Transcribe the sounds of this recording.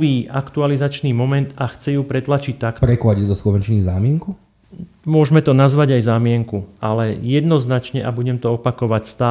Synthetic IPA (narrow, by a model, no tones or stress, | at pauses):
ʋiːakt̪ualizat͡ʃniːmɔmɛnt̪axt͡sɛjuːpɾɛt̪lat͡ʃic̚t̪ːakpɾɛklaɟid̪ɔslɔʋɛnt͡ʃnizaːmɪɛŋku | mʊɔʒmɛt̪ɔnazʋaɟajzaːmɪɛŋkualɛjɛd̪nɔznat͡ʃɲɛʔabuɟɛmt̪ɔɔpakɔʋacst̪aː